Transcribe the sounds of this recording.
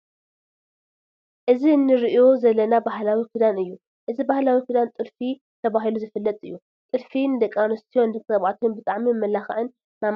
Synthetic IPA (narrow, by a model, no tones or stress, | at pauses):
ʔɨzinːɨɾiʔo̞zɐlːɐnabahlawikʰud̪anɨjːu | ʔɨzibahlawikud̪ant̪ʼɨlfi | t̪ʰɐβaɦiluzɨfɨlːɐt̪ʼɨjːu | t̪ʼɨɾfind̪ɐkʼanost̪ʰijond̪ɨt̪ʰɐβʕat̪ʰunbɨt̪ʼaʕmimːɐlaxɐ̰ʕɨn | mam